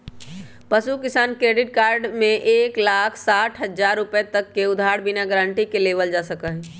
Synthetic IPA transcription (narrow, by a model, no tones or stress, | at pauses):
pəsukɪsaːnkɾeɖɪʈ̚kaːɾɖmẽʔeːklakʰsaːʈʰɦəd͡ʒaɾːupəet̪əkːeʊd̪ʱaɽbinaɡɾə̃ɳʈikelebəld͡ʒasəkəɦɛ